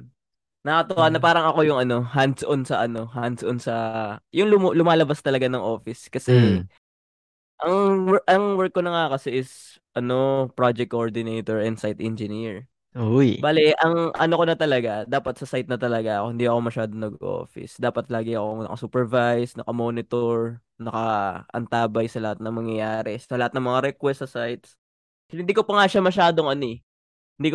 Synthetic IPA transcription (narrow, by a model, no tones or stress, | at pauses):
nɐkɐt̪ʊwanɐpaːɾɐŋɐko̞jʊŋʔɐno̞ɦansʔonsɐʔɐno̞ɦansʔonsɐjʊŋlʊmlʊmaːlɐbast̪ɐlɐɡanɐŋʔo̞ːfɪskɐsɛ | ʔɐŋwʔɐŋwɛɹkːonɐŋakɐsɛʔɪs | ʔɐno̞pɹad͡ʒɛk̚kːoʔɹd̪ɪnejt̪oɹɛnd̪sajt̪ʔɛnd͡ʒɪniɹ | ojbaːlɛʔɐŋʔɐ̰nokonɐt̪ɐlɐɡad̪aːpɐt̪̚sɐsajt̪̚nɐt̪ɐlɐɡaɐkohɪnd̪iʔɐko̞mɐʃaːd̪oŋnɐɡʔo̰ːfɪ̰sd̪aːpɐt̪laːɡɪɐkoŋnɐ̰kɐ̰suːpɛɹvajsnɐkɐmoːnɪt̪oɹ | nɐkɐʔɐ̰nt̪aːbɐjsɐlɐhat̪̚nɐŋmɐŋjɐjaːɾɛsɐlɐhat̪nɐŋmɐŋaɾɛkwɛstːɐsajt̪s | ɪnd̪iːkopɐŋaʃamɐʃaːd̪oŋʔɐni | hɪnd̪ik